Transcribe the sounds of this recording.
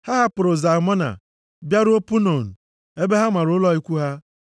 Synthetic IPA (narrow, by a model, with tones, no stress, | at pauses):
ha˦ɦa˦pʊ˨ɾʊ˨za˨mɔ˦na̰˨ | bja˦ɾʊ˦o˦pu˦no˨n̩˨ | e˦be˦ɦa˦ma˨ɾʊ˨˦lɔ˦i˦kʷu˦ɦa˦